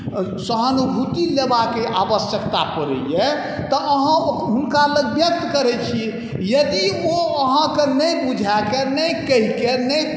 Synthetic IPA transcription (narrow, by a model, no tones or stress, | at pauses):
səɦənubʱut̪ilebakeʔabəsjəkt̪apəɾə̰je | t̪ɔʔəɦãɦunkaləɡbjək̚t̪kəɾɛt͡ʃʰi | jəd̪ioəɦãkenəjbud͡ʒʱakenəjkəɦikenəj